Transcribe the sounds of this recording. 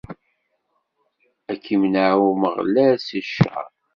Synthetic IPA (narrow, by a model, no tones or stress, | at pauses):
ækʰːimnawməʁlæsəʃːæ̰